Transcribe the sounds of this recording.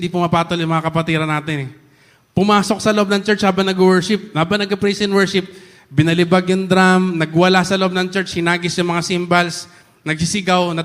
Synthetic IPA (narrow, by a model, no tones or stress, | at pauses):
nd̪iːpʊmɐpaːt̪oljʊŋmɐŋakɐpɐt̪iːɾɐnaːt̪ɪnɛ | pʊmaːso̞k̚sɐlɐʔb̚nɐŋt͡ʃɛɹt͡ʃhaːbɐŋnɐɡʊwɛɹʃɪp̚haːbɐŋnɐɡɐpɾijsɛnwɛɹʃɪp̚ | bɪnɐlɪbaɡjʊŋd̪ɾamnɐɡwɐlasɐloʔob̚nɐŋt͡ʃɛɹt͡ʃhɪnaːɡɪsjʊŋmɐŋasimbɐls | nɐɡsɪsɪɡawnɐ